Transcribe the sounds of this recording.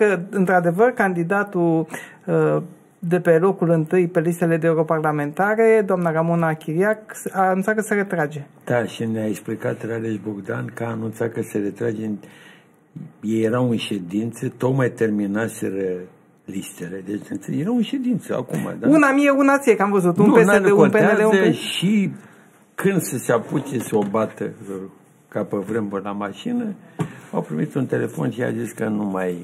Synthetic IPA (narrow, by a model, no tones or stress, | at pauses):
kəɨnt̪ɾad̪e̞vərkand̪id̪at̪u | d̪e̞pe̞lo̞kulɨnt̪ɨjpe̞list̪e̞le̞d̪eeuɾoparlame̞nt̪aɾe̞d̪oamnaramonaːkʲiɾiaksanunt̪sakəseɾe̞t̪ɾad͡ʒe̞d̪̥aʃineaeksplikat̪raɾeʃboɡd̪ankəaːnunt̪sat̪kəseɾet̪ɾad͡ʒe | jejːeɾawunʃed̪int̪sət̪okmajt̪e̞rminaseɾə | list̪eled̪et͡ʃjeɾaunʃe̞d̪int̪səa̰kuma̰d̪aunamijeunat̪siekamvəzut̪unuupesed̪ekonpeeealezoəʃi | kɨnd̪seseapusesobat̪ə | kapəvɾemburlamaʃinəawpɾimit̪unt̪e̞le̞fo̞̰nʃia̰ziskənumaj